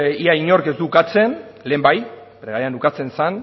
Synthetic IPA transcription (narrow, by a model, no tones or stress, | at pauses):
iaiɲo̞ɾkezd̪ukat͡se̞nle̞ːmbaj | pɾeɣaɾeand̪ukat͡se̞nsan